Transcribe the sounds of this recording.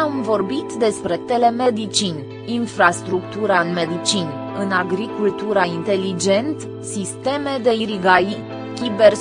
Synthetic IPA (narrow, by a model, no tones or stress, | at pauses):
amvo̞rbit̪d̪e̞spɾe̞t̪e̞le̞me̞d̪it͡ʃinʲ | infɾast̪ɾukt̪uɾaɨnme̞d̪it͡ʃinʲ | ɨnaɡɾikult̪uɾaint̪e̞lid͡ʒe̞nt̪ | sist̪e̞me̞d̪e̞iɾiɡai | kʲibe̞r